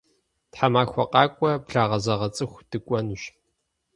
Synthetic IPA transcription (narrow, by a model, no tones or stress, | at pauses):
tħamaːxʷɔ̰qʼɑːkʷʼɔbɮaːʁɐzɐʁɐt͡sʼɨxʷd̥ɨkʷʼɔnuɕ